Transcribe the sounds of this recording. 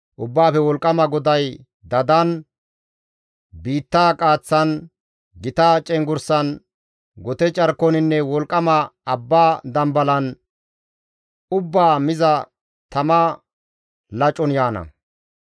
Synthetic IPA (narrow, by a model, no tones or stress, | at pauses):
ʔʊbːaːfɛwɔlkʼːɐmɐɡɔd̪ɐj | d̪ɐd̪ɐn | biːt̪ːaːkʼaːt͡sːɐn | ɡɪt̪aːt͡ʃʼɛŋɡʊɾsɐn | ɡɔt̪ɛt͡ʃʼɐɾkːɔnɪnːɛwɔlkʼːɐmɐɐbːaːd̪ɐmbɐlɐn | ʊbːaːmɪzɐ | t̪ɐmɐ | lɐt͡ʃʼːɔnjaːnɐ̰